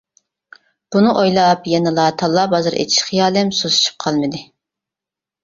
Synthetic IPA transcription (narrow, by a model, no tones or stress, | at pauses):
b̥unɨʔojlˠɑpjɛnɨlˠɑt̪ʰɑlˠːɑbɑzɨɾʔḛt͡ʃ̪ʰi̥ʃχijɑːlɛmsosy̥t͡ʃʰy̥p̚qʰɑlˠmɨd̪ɨ